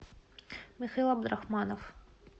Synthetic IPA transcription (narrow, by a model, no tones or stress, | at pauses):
mʲixailˠɐb̚d̪ɾaxmanɐf